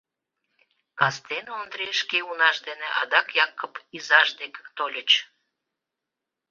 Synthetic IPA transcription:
kɑst̪enond̪ɾeʃkeunɑʃd̪eneʔɑ̰d̪ɑkjɑkːəpizɑʒd̪ekt̪olʲət͡ɕ

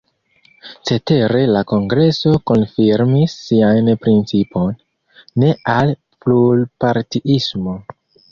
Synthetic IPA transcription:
t͡se̞te̞ɾe̞lako̞ŋɡɾe̞so̞ko̞nfiɾmisːiajnpɾint͡sipʰo̞nː | e̞al | plulpaɾtiʔismo̞

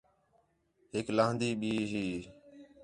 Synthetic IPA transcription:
ɦɪklãːɦnd̪iːɓiːɦiː

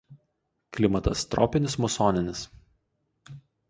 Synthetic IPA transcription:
klʲɪmɐt̪ɐst̪ɾɔ̰ːpʲɪnʲɪsmʊsoːnʲɪnʲɪs

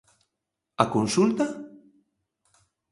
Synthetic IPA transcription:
akonsult̪a

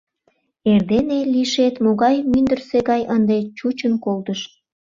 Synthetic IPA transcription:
erd̪eneliʃet̪moɣɑjmynd̪ərseɣɑjənd̪et͡ɕut͡ɕənkolt̪əʃ

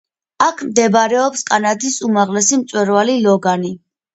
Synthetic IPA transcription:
akʰmd̪ɛbɾɛɔpskʼanad̪isumaʁlɛsimt̪sʼwɛɾvalilɔɡani

